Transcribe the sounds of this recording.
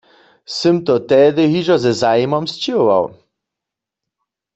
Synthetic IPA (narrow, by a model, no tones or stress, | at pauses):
sɘmt̪ɔt̪ɛd̪ɪɣiʒɔzɛzajmɔmst͡ɕiova̰w